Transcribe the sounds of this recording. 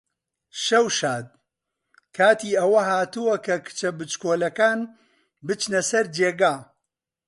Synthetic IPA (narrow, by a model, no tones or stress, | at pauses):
ʃɐwʃaːd̪̚ | kʰaːt̪iːɐwɐɦaːt̪uwɐkʰɐkʰɨ̥t͡ʃɐbɨt͡ʃkoːlɐkaːn | bɨt͡ʃnɐsɐɾd͡ʒeːɡaː